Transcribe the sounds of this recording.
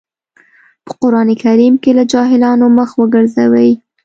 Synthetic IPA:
pə̥qʊɾɑnekaɾimkelad͡ʒɑɦɪlɑnoməxwəɡəɾzawəj

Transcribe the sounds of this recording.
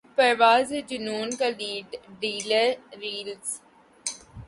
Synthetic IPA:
pɐɾʋaːzed͡ʒʊnuːnkaliːɖɖiːləɾiːlz

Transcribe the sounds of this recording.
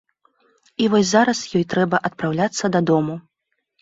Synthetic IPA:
ivɔsʲzaɾɐsjɔjt̪ɾɛbɐʔɐt̪̚pɾawlʲat̪sːɐd̪ɐd̪ɔmu

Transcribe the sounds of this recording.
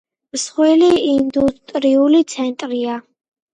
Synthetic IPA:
msχwɛliind̪ut̪ʼɾiulit̪sʰɛnt̪ʼɾia

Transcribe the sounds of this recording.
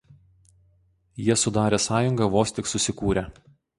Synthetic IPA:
jiɛsʊd̪ɑːɾʲeːsɑːjʊŋɡɐʋoːsʲt̪ʲɪksʊsʲɪkuːɾʲe

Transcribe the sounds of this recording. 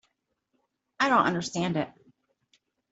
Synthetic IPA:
aɪɾõʊ̃ntʌ̃ndə˞stæ̃ndɪt̚

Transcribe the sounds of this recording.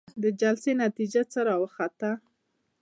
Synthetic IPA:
d̪əd͡ʒalsenat̪id͡ʒat͡səɾɑwəxat̪a

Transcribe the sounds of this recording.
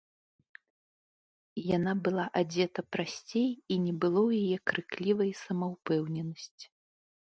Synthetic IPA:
janabɨlˠaʔad͡zʲɛt̪ɐpɾasʲt͡sʲejinʲɛbɨlˠɔwjajɛkɾɨklʲivɐjsɐmɐwpɛwnʲɛnɐsʲt͡sʲi̥

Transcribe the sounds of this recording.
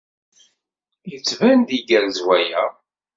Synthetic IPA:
jət͡sːvænd̪iɡælzwæjæ

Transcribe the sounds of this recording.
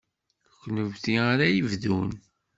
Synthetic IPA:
kʷːnəvθiaɾajəvðun

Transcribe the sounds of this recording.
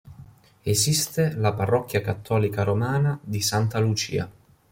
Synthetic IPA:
esist̪elaparːɔk̟ːjakat̪ʰːɔːlikaɾomaːnad̪isant̪alut͡ʃḭːa̰

